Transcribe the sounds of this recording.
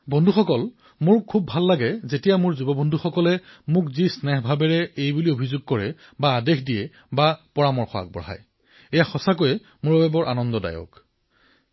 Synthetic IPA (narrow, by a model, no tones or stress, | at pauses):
bɔndʱuxɔkɔl | mʊɹkʰubʱalːaɡɛzetijamʊɹzubɔbɔndʱuxɔkɔlɛmʊkzisnɛxbʱabɛɹɛejbuliobʱizʊɡ̚kɔɹɛ | baːdexdiɛ | bapɔɹamɔɹxɔa̰k̚bɔ̰ɦa̰j | ejaxɔsakojɛ | mʊɹɔbɛbɔɹʔanɔndɔda̰jɔ̰k